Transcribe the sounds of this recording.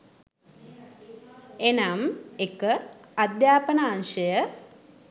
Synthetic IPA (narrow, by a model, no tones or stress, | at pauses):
enamekəad̪jaːpənaːŋʃəjə